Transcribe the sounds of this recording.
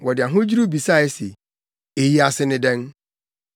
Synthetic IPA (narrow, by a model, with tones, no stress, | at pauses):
wɔ˨dɪ˨a˨ɦʊ̃˦d͡ʑi˦ɾu˦bi˨sa˦˨ɛ˦se˨ | e˨ji˦a˨sɪ˦nɪ̃˦dɛ̃˦n